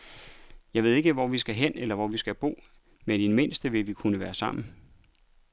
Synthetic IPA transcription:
jɑ̈ɪʋe̝ð̞̰ˠe̝ɡ̥əʋɒʋisɡ̥æɦen̰elɐʋɒʋisɡ̥æb̥o̝̰ː | med̥inme̝n̰sd̥əʋe̝ʋikʰunəʋæːɐsɑ̈m̰n̩

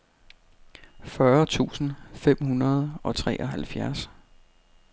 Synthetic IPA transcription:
fɶɐt͡sʰṵːsn̩fem̰hunɐð̞̩ˠɒ̽t͡sʰʁɛ̰ːʔɒɦælfjæɐs

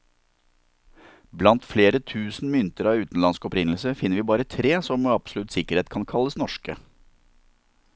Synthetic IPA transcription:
blɑnt̪fleːɾət̪ʰʉːsn̩mʏnt̪əɾɑʉːt̪n̩lɑnskɔpɾɪnl̩səfɪnːəɾʋiːbɑːɾət̪ʰɾeːsɔmoːɑpslʉt̪sɪkəɾheːt̪̚kʰɑnkʰɑlːəsnɔʃkə

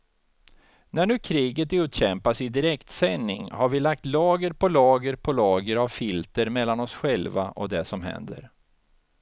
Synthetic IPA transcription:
næɳʉ̟ːkʰɾiːɡət̪ʉ̟ːt̪ɕɛmpasɪd̪ɪɾɛkt̪sɛnːɪ̰ŋhaɾvɪlak̚t̪lɑːɡəɾpʰɔlɑːɡəɾpʰɔlɑːɡəɾavfɪlt̪əɾmɛlːanɔsɧɛlva̰ʔɔ̰d̪ɛsɔmɦɛ̰nd̪ə̰ɾ

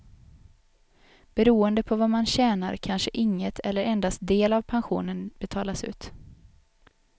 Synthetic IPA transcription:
b̥ɛɾuːənd̪əpʰɔvamanɕɛːna̰ɾkʰanʂəʔɪŋːət̪ʰɛlːəɾɛnd̪ast̪̚d̪eːlavpʰanɧṵːnənb̥ɛt̪ʰɑːlasʉ̟̰ːt̪

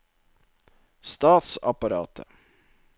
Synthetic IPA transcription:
st̪ɑːt̪sɑpɑɾɑ̰ːt̪ʰə̰

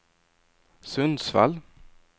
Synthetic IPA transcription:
sɵnd̪sfa̰l

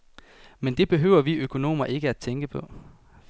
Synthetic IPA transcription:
mend̥e̝b̥e̝ɦøʊɐʋiøkʰo̝no̝̰ːmɐʔe̝ɡ̥əæd̥̚t͡sʰeŋɡ̥əpʰɒ̽

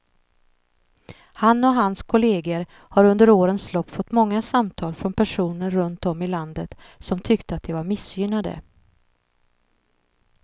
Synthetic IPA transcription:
hanːɔɦanskʰʊleːɡəɾ | haɾɵnd̪əɾoːɾənslɔpːfɔt̪ːmɔŋːasamt̪ʰɑːlfɾɔnpʰæʂuːnəɾɾɵnt̪ɔmːɪland̪ət̪sɔmt̪ʰʏkt̪əat̪̚d̪ɛvaɾmɪsjʏnːad̪ə̰

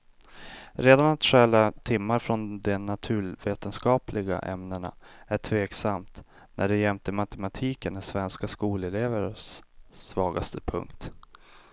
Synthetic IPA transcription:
ɾeːd̪anat̪ɧɛlat̪ʰɪmːaɾfɾɔnd̪ɛnat̪ʰʉ̟ːveːt̪ənskɑːplɪɡa̰ʔɛ̰mnəɳa̰æʈʰveːksamt̪ | nʔæɖɛjɛmt̪əmat̪ʰɛmat̪ʰiːkənːæsvɛnskaskuːlɛleːvəɾsːvɑːɡast̪ʰəpʰɵ̰ŋkt̪

